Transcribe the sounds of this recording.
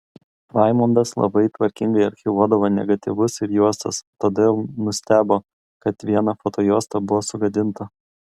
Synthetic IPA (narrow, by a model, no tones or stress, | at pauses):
ʋɑˑɪmɐnd̪ɐslˠɐ̰bɐɪt̪ʋɐɾʲkʲɪŋɡɐɪɐɾʲxʲɪʋuɔd̪ɐʋoːnʲɛ̰ɡɐt̪ʲɪʋʊsɪɾjuɔst̪ɐ̰st̪od̪ʲelˠnʊsʲt̪ʲæːboː | kɐt̪ʋʲiɛnɐfot̪oːjuɔst̪ɐbʊʋoːsʊɡɐd̪ʲɪnt̪ɐ